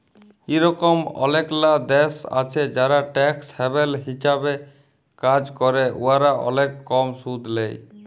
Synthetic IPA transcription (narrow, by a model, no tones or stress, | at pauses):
iɾɔkomɔ̰leklad̪ɛsa̰t͡ʃʰed͡ʒaɾaʈɛkshɛbelɦiʃabe | kad͡ʑkɔɾeʔṵaɾaʔɔ̰lekːɔmsud̪ʱlḛj